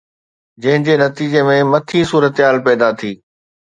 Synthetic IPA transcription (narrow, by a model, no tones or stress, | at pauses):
d͡ʑɐ̃ɦɪ̃d͡ʑenɐt̪iːd͡ʑemẽmɐt̪ʰisuːɾət̪ɦaːlpɛːd̪at̪ʰiː